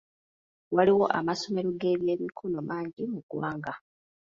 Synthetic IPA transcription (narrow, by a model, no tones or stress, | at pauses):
waliwo̞ʔa̰maso̞me̞ɾuɡe̞ːβje̞ːmikʰono̞maːɲɟimuɡwaːŋɡa